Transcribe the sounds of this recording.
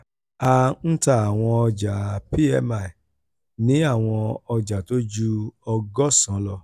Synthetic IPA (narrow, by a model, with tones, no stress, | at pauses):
a˦˧n̩˦ta˦˨a˨w̃ɔ̃˧ɔ˧d͡ʒa˨pi˦ɛ˧ma˨ | nĩ˨˦a˦˨w̃ɔ̃˧ɔ˧d͡ʒa˨to˦d͡ʒu˦ɔ˧ɡɔ˦sã˨˦lɔ˦˨